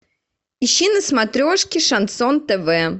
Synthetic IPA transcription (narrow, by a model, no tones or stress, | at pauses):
iɕːinəsmat̪ɾʲoʂkʲɪʂɐnt̪sɔnt̪ɛvɛ